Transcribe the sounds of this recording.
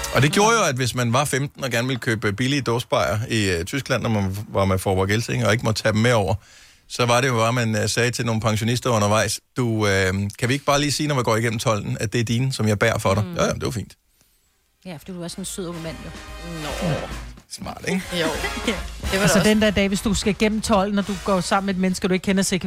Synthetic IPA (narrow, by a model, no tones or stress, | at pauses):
ʔɒ̽d̥e̝ɡ̥jo̝ːɐjo̝æd̥ʋe̝smænʋɑ̈femd̥n̩ɒ̽ɡ̥æɐnʋe̝ləkʰøːb̥əb̥iliəd̥ɔːsb̥ɑ̈ɪ̰ɐit͡sʰysɡ̥læn̰ːɒmænʋɑ̈mefɒːʋɒɡ̥elsʰeŋɒ̽e̝ɡ̥əmɒ̽d̥̚t͡sʰɛd̥emːeɒʊ̰ɐ | sɒ̽ʋɑ̈ɾe̝jo̝ʋæmænsɛːt͡sʰe̝lno̝ːn̩pʰɑ̈ŋɕo̝nisd̥ɐɔ̽nɐʋɑ̈ɪsd̥uøkʰæʋie̝ɡ̥b̥ɑ̈ːliːsiːnɒʋiɡɒ̰ːiɡen̰m̩t͡sʰɒ̽l̰n̩æd̥e̝æɐd̥iːnəsɒ̽mjɑ̈ɪb̥æɐ̰fɒ̽ɾɑ̈jo̰jæmnd̥e̝ʋɑ̈fḭːnd̥ | jæfd̥ḭd̥uæɐsɒnsyð̰ˠoɡ̥mæn̰jo | smɑ̰̈ːd̥eɡ̥ | elsəd̥end̥æɐd̥ɛ̰ːʋe̝sd̥usɡ̥æɡ̥en̰m̩t͡sʰɒ̽l̰n̩ɒd̥uɡ̥ɒ̰ːsɑ̈m̰̩med̥menəsɡ̥ɐd̥ueɡ̥kʰenɐseɡ̥